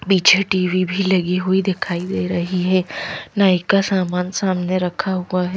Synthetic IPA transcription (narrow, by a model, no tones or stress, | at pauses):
biːt͡ʃʰeʈiːʋibʱilɐɡiɦuid̪ɪkʰaːid̪eːɾɐɦiɦɛːnaːɪkasaːmaːnsaːmneɾɐkʰaɦuaɦɛː